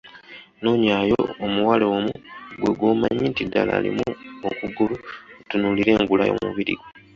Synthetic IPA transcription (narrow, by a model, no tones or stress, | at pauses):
noɲaːjoomuwaleːmuɡwe̞ɡwomaɲːintidːa̰la̰ːlḭmuokuɡuluutunuliɾe̞ːŋɡula̰jo̰muβiɾḭɡo